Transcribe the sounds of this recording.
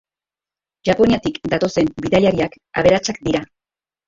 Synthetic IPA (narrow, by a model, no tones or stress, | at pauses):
ʝapo̞niat̪ikd̪at̪o̞se̞mbiðaʎaɾiak | a̰β̞e̞ɾat͡sakd̪iɾa